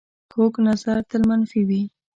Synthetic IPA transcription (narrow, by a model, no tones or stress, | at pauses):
koknazaɾt̪əlmanfiwi